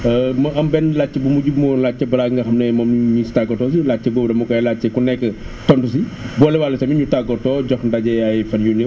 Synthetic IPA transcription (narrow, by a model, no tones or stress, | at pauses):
mɐɐmbɛnlaːt͡ʃːɛbumuɟubmɔnlat͡ʃːɛbɐlaːɡŋɡɐxɐmnɛmɐmɲistaɡɔtɔːs̬ilaːt͡ʃːɛboːbdɐmɐkɔjlat͡ʃːɛkunːɛkːə | tɔntus̬ibɔlɛwaːlɐsɐmiɲutaɡɔtɔːɟɔxndaɟɛɐjfɐnjunɛ